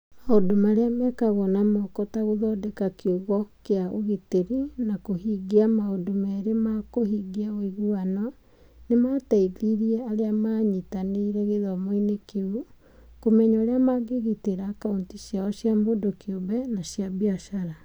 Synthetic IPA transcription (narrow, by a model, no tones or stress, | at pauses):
maodomaɾeamɛkaβɔnamɔkɔtaɣoðɔdekakiuɣɔkeaʔoɣiteɾinakoɦiɡiamaodomɛɾemakohiɡiaoiɣuanɔ | nematɛiðiɾiɛaɾeamaɲitaneiɾɛɣeðɔmoinekeu | komɛɲɔɾeamaɡeɣiteɾakaontiʃjaɔʃjamodokiobɛnaʃjabiaʃaɾa